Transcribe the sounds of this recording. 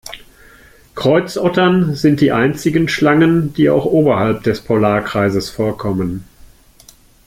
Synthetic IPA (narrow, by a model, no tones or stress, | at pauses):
kʁ̥ɔʏt͡sʔɔtɐnzɪnt̚d̥iːʔaɪnt͡sɪɡənʃlaŋənd̥iːa̰ʊxʔoːbɐhalp̚d̥ɛspʰolaːɐkʁ̥aɪzəsfoːɐkʰɔmən